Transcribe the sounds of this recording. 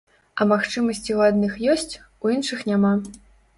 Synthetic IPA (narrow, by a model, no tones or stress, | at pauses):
ɐmaxt͡ʂɨmɐsʲt͡sʲiwad̪nɨxjɔsʲt͡sʲ | ujinʂɨxnʲama